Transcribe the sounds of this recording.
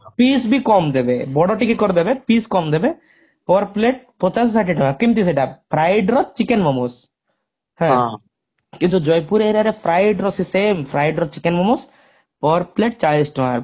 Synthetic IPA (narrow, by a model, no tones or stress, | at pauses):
pisbikɔmd̪ebebɔɖɔɾʈikekɔɾd̪ebepiskɔmd̪ebe | pɔɾpleʈ̚pɔt͡ʃassaʈiʈɔmakimt̪is̬eʈapʰɾajɖɾɔt̪t͡ʃikenmɔmos | hɛ̃ | kint̪ud͡ʒɔjpuɾeɾaɾepʰɾajɖɾɔsisempʰɾajɖɾɔt͡ʃikenmɔmos | pɔɾpleʈ̚t͡ʃaɭisʈɔaɾ